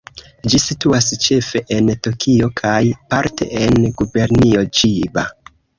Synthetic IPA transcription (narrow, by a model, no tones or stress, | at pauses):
d͡ʒisituast͡ʃe̞fe̞ʔentokʰio̞kʰajpaɾtʰe̞̰enɡube̞ɾnio̞d͡ʒiba